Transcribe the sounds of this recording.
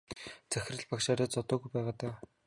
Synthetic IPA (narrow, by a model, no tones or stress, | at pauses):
t͡sæx̆ʲrə̆ɮpakʃaːɾʲaːt͡sɔt̪ɔːɣujpæːʁaːt̪aː